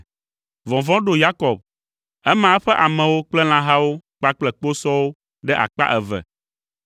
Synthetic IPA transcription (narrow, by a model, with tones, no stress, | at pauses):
vɔ̃˨vɔ̃˦ɖo˦ja˦kɔ˨b̚ | ɛ˦mã˨˦ɸɛ˦ʔa˨mɛ̃˨wo˦k͡plɛ˦l̃ã˦ɦa˦wo˦k͡pa˦k͡plɛ˨k͡po˦sɔ˦wo˦ | ɖɛ˦ʔa̰˨k͡pa̰˦ʔɛ˨vɛ̰˨